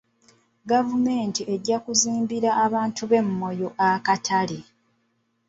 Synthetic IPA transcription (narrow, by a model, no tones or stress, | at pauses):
ɡavume̞ːntieɟːakuziːmbiɾaʔːβaːntʰuβe̞mːo̞jo̞ʔakatʰali